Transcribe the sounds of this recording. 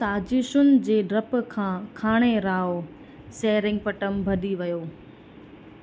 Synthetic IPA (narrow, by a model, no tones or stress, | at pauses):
saːd͡ʑɪʃʊnɪ̆d͡ʑeːɖɾɐpkʰãːkʰaːɽ̃eɾaːo | seːɾɪ̃ŋɡ̚pɐʈəmbʱɐɗiʋɐjoː